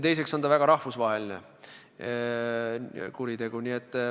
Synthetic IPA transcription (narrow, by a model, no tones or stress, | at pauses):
t̪e̞jse̞kso̞nd̪ɑvæɡ̥ɑɾɑhvusvɑːɦeline | kuɾit̪e̞ɡ̥uniet̪ːˑ